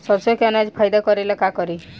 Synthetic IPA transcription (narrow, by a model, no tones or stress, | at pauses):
sɔsɔkanad͡ʒpʰajd̪akɔɾilakakɔɾi